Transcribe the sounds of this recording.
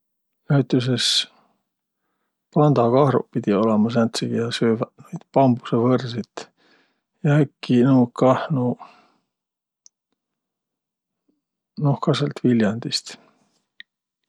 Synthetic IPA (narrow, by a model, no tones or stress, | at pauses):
næɥt̪ˑus̬es | pɑnd̪̥ɑkɑhɾṵpid̪̥io̞lemɑs̬ænt̪siɡ̥iɑsøːvnojd̪̥pɑmbu̥sevɤrsit̪ | jɑekːinuwkɑhnu | nohkɑselt̪viljɑnd̪̥ist̪